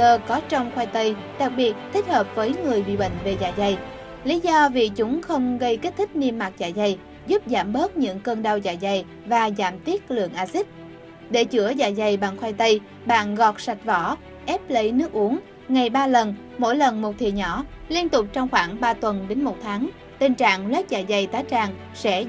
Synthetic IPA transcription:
əː˧kɔ˨˦t͡ɕɔ˧wŋ͡mxwa˧jt̪ə˧j | ɗa˨˩k̚ɓi˨˩ət̚t̪ʰi˦˥k̟̚həː˨˩p̚vəː˨˦jŋɨ˨˩əjɓḭ˧˨ɓə̰˧˨ŋ̟ve˨˩za̰ː˧˨˩jza˨˩j | li˨˦zɔ˧vḭ˨˩t͡ɕʊ˨˦ŋ͡mxə˧wŋ͡mɣə˧jke˦˥t̪ʰi˦˥k̟̚ni˧əmːa˨˩t̚za̰ː˧˨jza˨˩j | zu˦˥p̚zaː˧˩mɓəː˦˥t̚ɲɨ̰˧˥ŋkəː˧nɗə˧wza̰ː˧˨˩jza˨˩j | vaː˨˩za̰ː˧˩mt̪i˦˥ət̚lɨ̰˧˨əŋʔaː˧si˦˥t̚ | ɗe˧˩t͡ɕɨ˧˩əza̰ː˧˩jza˨˩jɓa˨˩ŋxwa˧jt̪ə˧j | ɓa̰ː˧˨nɣɔ˨˩t̚sa˨˩jk̚vɔ˧˩ | ʔɛ˦˥p̚lə˨˦jnɨ˦˥ək̚ʔu˨˦əŋ | ŋa˨˩jɓaː˧lə˨˩n | mo̰˧˥jlə˨˩nmo˨˩t̚t̪ʰḭ˧˨əɲɔ˧˩li˧ənt̪ʊ˨˩k͡p̚t͡ɕɔ˧wŋ͡mxwaː˧˩ŋɓaː˧t̪wə˨˩nɗe˨˦nmo˨˩t̚t̪ʰaː˨˦ŋ | t̪i˨˩ŋ̟t͡ɕa̰ː˧˨ŋlwɛ˦˥t̚za̰ː˧˨jza˨˩jt̪aː˨˦jt͡ɕaː˨˩ŋ | sɛ̰˧˥

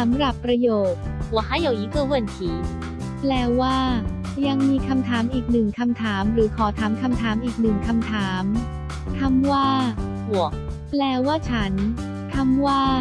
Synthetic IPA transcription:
sa˩˦mɾa˨˩pːɾa˧joː˨˩t̪̚hu˨˩˦ha˥˩jːa˧˩wʔiː˧˦pʰɯ˥˩wɯ˥˩˨nt̪ʰiː˨˦ | plɛː˧waː˥˩ | ja˧ŋmiː˧kʰa˧mt̪ʰaː˩˦mʔiː˨˩k̚nɯ˨˩ŋkʰa˧mt̪ʰaː˩˦mɾɯː˩˦kʰɔː˩˦t̪ʰaː˩˦mkʰa˧mt̪ʰaː˩˦mʔiː˨˩k̚nɯ˨˩ŋkʰa˧mt̪ʰaː˩˦m | t̪ʰa˧mwaː˥˩hu˨˩˦ə | plɛː˧waː˥˩t͡ɕʰa˦˥n | t̪ʰa˧mwaː˥˩

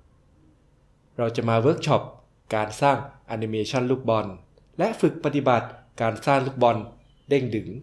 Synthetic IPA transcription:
ɾa˧wt͡ɕa˨˩maː˧wɤː˦˥k̚t͡ɕʰɔ˦˥p̚ | kaː˧nsaː˥˩ŋʔa˧ni˧meː˧t͡ɕʰɔ˥˩nluː˥˩k̚bɔ˧n | lɛ˦˥ʔfɯ˨˩k̚pa˧t̪i˨˩ba˨˩t̪̚kaː˧nsaː˥˩ŋluː˥˩k̚bɔ˧n | de˥˩ŋdɯ˩˦ŋ

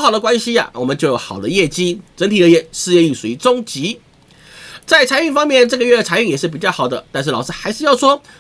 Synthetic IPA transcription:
xɑ˨˩d̪ə˦kwa˥nɕi˧a̰˨wɔ˨˩mə˦nt͡ɕo˥˩ʊjo˧˩˥xɑ˨˩ʊd̪ə˦jɛ˥˩t͡ɕi˥ʈ͡ʂə˧˥nt̪ʰi˨˩d̪ə˦jɛ˥˩ʂɻ̩˥˧jɛ˥˧y˥˩se˧˥˩t͡sʊ˥ŋt͡ɕi˧˥ | t͡sa˥˩ɪt͡sʰa˧˥ɪy˥˩fɑ˥ŋmjɛ˥˧nʈ͡ʂɤ˥˩ɡə˧ɥɛ˥˩d̪ə˩t͡sʰa˧˥ɪy˥˩ŋjɛ˨˩ʂɻ̩˥˩p̬i˨˩t͡ɕjɑ˥˩ʊxɑ˨˩ʊd̪ə˦t̪a˥˧nʂ̬ɻ̩˥˩ɑ˨˩ʊʂɻ̩˥xa˧˥ɪʂɻ̩˥˧jɑ˥˩ʊʂwɔ˥

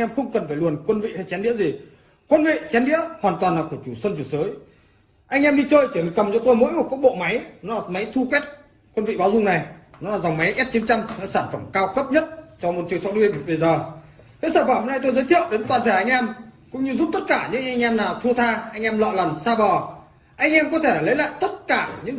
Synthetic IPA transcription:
jŋʔɛ˧mxə˧wŋ͡mkə˨˩nfaː˧˩jlu˨˩ənkwə˧nvḭ˧˨ha˧jt͡ɕɛ˨˦nɗḭ˧˥əzi˨˩ | kwə˧nvḭ˧˨t͡ɕɛ˨˦nɗḭ˧˥əhwaː˨˩nt̪waː˨˩nlaː˨˩ku˧˩ət͡ɕu˧˩sə˧nt͡ɕu˧˩səː˨˦j | ʔa˧jŋ̟ʔɛ˧mɗi˧t͡ɕəː˧jt͡ɕi˧˩˨kə˨˩mt͡ɕɔ˧t̪o˧jmo̰˧˥jmo˨˩kk̚ɓo̰˧˨ma˨˦jnɔ˨˦laː˨˩ma˨˦jt̪ʰu˧kwɛ˦˥t̚ | kwə˧nvḭ˧˨ɓa˨˦wzʊ˧ŋ͡mna˨˩jnɔ˨˦laː˨˩za˨˩wŋ͡mma˨˦jʔɛ˦˥t̚t͡ɕi˨˦nt͡ɕa˧mnɔ̰˧˥saː˧˩nfə˧˩mkaː˧wkə˦˥p̚ɲə˦˥t̚t͡ɕɔ˧mo˨˩t̚t͡ɕɨ˨˩əŋsɔa˧˦w̚lwi˧ən˨ɓə˧˩jzəː˨˩ | ke˨˧˦səː˧˩faː˧˩mho˧˥na˧jt̪o˧jzəː˨˦t̪i˧˨əwɗe˨˦nt̪waː˨˩nt̪ʰa˧˩jʔa˧jŋʔɛ˧mkʊ̰˧˥ŋ͡mɲɨ˧zu˦˥p̚t̪ə˦˥t̚kaː˧˩ɲɨ̰˧˥ŋʔa˧jŋ̟ʔɛ˧mnaː˨˩wt̪ʰu˧ət̪ʰaː˧ʔa˧jŋ̟ʔɛ˧mlɔ̰˧˨la˨˩msaː˧ɓɔ˨˩ | ʔa˧jŋ̟ʔɛ˧mkɔ˨˦t̪ʰe˧˩lə˨˦jla̰ː˧˨jt̪ə˦˥t̚kaː˧˩ɲɨ̰˧˥ŋ

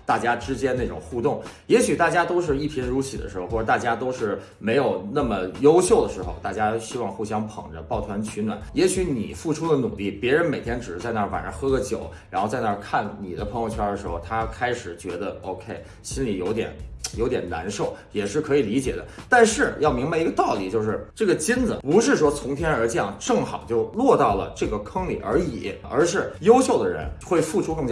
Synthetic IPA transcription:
t̪a˥˩t͡ɕja˥ʈ͡ʂɻ̩˥t͡ɕjɛ˥nna˥˩ʈ͡ʂʊ̰˨˩ŋxu˥˧t̪ʊ˥˩ŋjɛ˧˥ɕy˨˩t̪a˥˩t͡ɕja˥t̪o˥ʊʂ̬ɻ̩˥˧i˥˩pʰi˧˥ɻu˧˥t͡ɕʰi˨˩d̪ə̰˦ʂɻ̩˧˥o˧xwɔ˥˩˨t̪a˥˩t͡ɕja˥t̪o˥ʊʂɻ̩˥˩ | me˧˥ɪjo˨˩ʊna˥˩mə˩jo˥ʊɕjo˥˩ʊd̪ə˩ʂɻ̩˧˥xo̰˧ʊt̪a˥˩t͡ɕja˥ɕi˥wɑ˥˧ŋxu˥˩ɕjɑ˥ŋpʰɤ̰˨˩ŋʈ͡ʂə̰˦pɑ˥˩ʊt̪ʰwa˧˥nt͡ɕʰy˧˥nwa̰˨˩˦njɛ˧˥ɕy˧˥nḭ˨˩fu˥˩ʈ͡ʂʰu˥d̪ə˨nu˨˩li˥˩pjɛ˧˥ɻə˧˥nme˨˩ɪt̪ʰjɛ˥nʈ͡ʂɻ̩˨˩ɻ̩˥t͡sa˥˧ɪna˥˩fa̰˨˩nə˧˥xɤ˥ɡə˧t͡ɕjo˨˩˦ʊɻa˧˥nxt͡sa˥˧ɪna˥˧kʰa˥˩nni˨˩d̪ə˦pʰɤ˧˥ŋjo˧ʊt͡ɕʰːd̪ə˧ʂɻ̩˧˥xo˧ʊt̪ʰa˥kʰa˥ɪʂɻ̩˨˩t͡ɕɥɛ˧˥d̪ə˧o˧˥ʊkʰe˥˩ɪ | ɕi˥nli˨˩jo˧˥ʊt̪jɛ̰˨˩˦njo˧˥jɛ˨˩nna̰˧˥nʂo˥˩ʊjɛ˨˩ʂɻ̩˥˩kʰɤ˧˥i˨˩li˧˥t͡ɕjɛ̰˨˩d̪ə̰˦t̪a˥˧nʂɻ̩˥˩jɑ˥˩ʊmi˧˥ŋba˧i˧˥ɡə˧t̪ɑ˥˩ʊlḭ˨˩t͡ɕjo˥˧ʊʂɻ̩˥˧˩ʈ͡ʂɤ˥˩ɡə˩t͡ɕi˥nd͡z̩˨˩pu˧˥ʂɻ̩˥˩ʂwɔ˥t͡sʰʊ˧˥ŋt̪ʰjɛ˥nə˞˧˥t͡ɕjɑ˥˧ŋʈ͡ʂɤ˥˩ŋxɑ˨˩ʊt͡ɕjo˥˧ʊlwɔ˥˧t̪ɑ˥˩ʊlə̰˩ʈ͡ʂɤ˥˩ɡə˩kʰɤ˥ŋlḭ˨˩ʔə̰˞˧˥ḭ˨˩˦ə̰˞˧˥ʂɻ̩˥˩jo˥ʊɕjo˥˩ʊd̪ə˩ɻə̰˧˥nxwe˥˩ɪfu˥˩ʈ͡ʂʰu˥kɤ˥˩ŋt͡ɕj

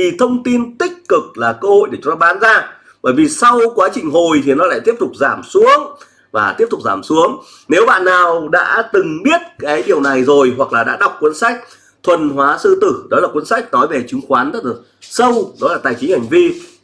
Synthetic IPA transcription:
i˨˩t̪ʰə˧wŋ͡mt̪i˧nt̪ï˦˥k̟̚kɨ˨˩k̚laː˨˩kəː˧ho̰˧˨jɗe˧˩t͡ɕu˨˦t̪ɔ˧ɓaː˨˦nzaː˧ | və̰ː˧˩jvi˨˩sa˧wkwaː˨˦t͡ɕï˨˩ŋ̟ɦo˨˩jt̪ʰi˨˩nɔ˨˦la̰ː˧˨jt̪i˦˥əp̚t̪ʊ˨˩k͡p̚zaː˧˩msu˨˦əŋ | vaː˨˩t̪i˦˥p̚t̪ʊ˨˩k͡p̚zaː˧˩msu˨˦əŋ | ne˨˦wɓa̰ː˧˨nːaː˨˩wɗa̰ː˧˥t̪ɨ˨˩ŋɓi˦˥ət̚kaː˨˦jɗi˨˩əwna˨˩jzo˨˩jɦwa˨˩k̚laː˨˩ɗa̰ː˧˥ɗa˨˩wk͡p̚kːwə˨˧˦nsa˦˥jk̟̚ | t̪ʰwə˨˩nɦwaː˨˦sɨ̰˧˨t̪ɨ˧˩ɗɔ˨˦laː˨˩kwə˨˦nsa˦˥jk̟̚nɔ˨˦jve˨˩t͡ɕɨ˨˦ŋxwaː˨˦nzə˦˥t̚a˨˩ | sə˧wɗɔ˨˦laː˨˩t̪a̰ː˨˩jt͡ɕi˨˦ŋha˨˩ŋ̟vi˧

